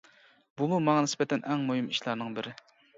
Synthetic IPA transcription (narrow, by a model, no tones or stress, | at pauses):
bumumɑŋɑnɪspɛt̪ʰɛnʔɛŋmoɦɪmiʃlˠɑɾnɨŋbɪɾɪ